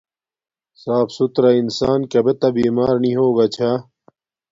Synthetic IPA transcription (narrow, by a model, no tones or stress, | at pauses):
saːpsut̪ɾainsaːnkɐbet̪ɐbiːmaːɾniɦoːɡat͡ɕʰa